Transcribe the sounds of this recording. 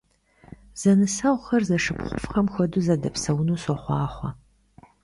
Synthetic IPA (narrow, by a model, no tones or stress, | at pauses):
z̥ɐnɨsɐʁʷxɐrzɐʂɨpχʷʊ̰fχɐmxʷɔduzɐdɐpsɐwnuːsɔχʷɑːχʷɐ